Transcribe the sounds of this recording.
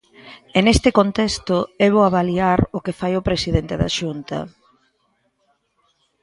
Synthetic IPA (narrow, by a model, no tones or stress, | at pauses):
enest̪ɪkont̪ɛst̪ʊɛβ̞oaβaliaɾʊkefajʊpɾesiðent̪eða̰ʃunt̪ɐ̰